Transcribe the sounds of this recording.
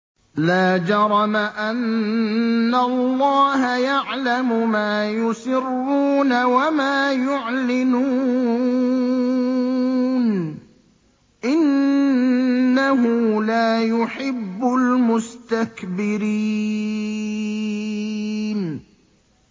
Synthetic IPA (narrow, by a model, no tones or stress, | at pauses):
laːd͡ʒɑɾˤɑmaʔanː | alˤːɑːhajaʕlamʊmaːjʊsɪrːuːnawamaːjʊʕlɪnuː | n | ʔɪn | aɦʊlaːjʊħɪbːʊlmʊst̪akbɪɾiː | n